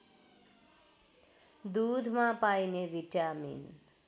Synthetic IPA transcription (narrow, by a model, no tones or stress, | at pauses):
d̪ud̪ʱmãpaineʋiʈamḭn